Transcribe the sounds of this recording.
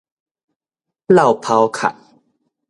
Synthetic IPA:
la˥˨˩wpʰa˧wkʰa̰˨˩t̚

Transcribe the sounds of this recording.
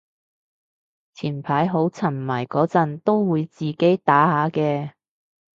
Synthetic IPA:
t͡sʰiː˨˩npʰaː˨˥jɦo˨˥wt͡sʰɐ˨˩nmɐː˨˩jkɔː˨˥t͡sɐ˨nt̪o˥wwuː˨˧jt͡siː˨ke˨˥jt̪aː˨˥haː˨˥kɛː˧

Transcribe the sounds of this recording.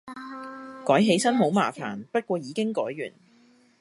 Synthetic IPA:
kɔː˨˥jɦe˨˥jsɐ˥nɦo˨˥wmaː˨˩fa̰ː˨˩npɐ˥t̚kʷɔː˧jiː˨˧kɪ˥ŋkɔː˨˥jɥy̰ː˨˩n

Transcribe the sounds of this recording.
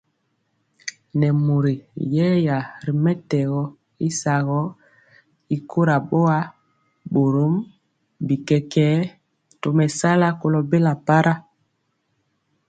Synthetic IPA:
nɛ˨mu˨ɾi˨jɛ˦ja˨ɾi˨mɛ˦tɛ˨ɣɔ˨ | i˦sa˨ɣɔ˦ | i˦kʰo˦ɾa˨ɓo˦a˦ | ɓo˨ɾo˦m | bi˨kɛ˨kɛː˦ | to˨mɛ˨sa˦la˦ko˨lɔ˨be˦la˨pa˦ɾa˦

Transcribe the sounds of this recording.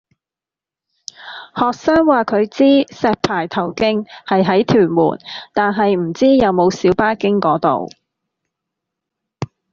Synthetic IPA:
hɔː˨k̚saː˥ŋwaː˨kʰɵ˨˧ɥt͡siː˥sɛː˨˧k̚pʰaː˨˩jt̪ʰɐ˨˩wkɪ˥ŋhɐ˨jɦɐ˨˥jt̪ʰyː˨˩nmṵː˨˩nt̪aː˨nɦɐ˨jm̩˨˩t͡siː˥jɐ˨˧wmo˨˧wsiː˨˥wpaː˥kɪ˥ŋkɔː˨˥t̪o̰˨w

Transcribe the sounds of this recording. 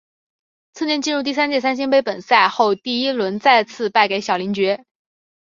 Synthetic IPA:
t͡sʰɹ̩˥˧njɛ˥˧nt͡ɕi˥˧nɻu˥˧t̪i˥˩s̬a˥nt͡ɕjɛ˥˩sa˥nɕ̬i˥ŋpe˥ɪpə˨˩nsa˥˧ɪxo˥˧ʊt̪i˥˩i˥lwə˧˥nt͡sa˥˧ɪt͡sʰɹ̩˥˧pa˥˩ɪke˧˥ɪɕjɑ˨˩ʊli˧˥ŋt͡ɕɥɛ˧˥

